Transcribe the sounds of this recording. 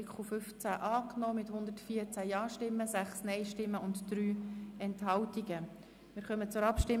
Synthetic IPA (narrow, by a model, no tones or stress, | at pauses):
kʰχofʏft͡sæʔɑːknɔːmɪthʊnd̪ətfiəɾt͡sæjɑːʃtɪmːəsæχsnɛɪʃtɪmːəʔʊntd̥ɾyːɛntɦɑwtiɡə | mɪːɾχœmət͡sʊɾɑpʃtɪ